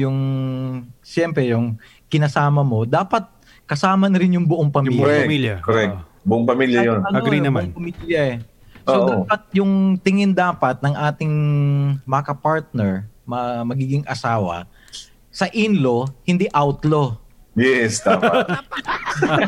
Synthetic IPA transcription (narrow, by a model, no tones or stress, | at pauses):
jʊŋ | ʃɛmpɾɛjʊŋ | kɪnɐsaːmɐmo̞d̪aːpɐt̪̚ | kɐsaːmɐnɐɾɪnjʊŋbʊʔoŋpɐmiːɾɛmijkoɾɛkt | bʊʔoŋpɐmiːljɐjonɐnoinɐmŋpɐmiːljɐɛ | sodaːpɐt̪̚jʊŋt̪ɪŋɪnd̪aːpɐt̪̚nɐŋʔaːt̪ɪŋ | mɐɐkɐpaɹt̪̚nɛɹmɐmɐɡiːɡɪŋʔɐ̰saːwɐ̰ | sɐʔinlo̞hɪnd̪iʔawt̪lo | jɛsd̪aːpt̪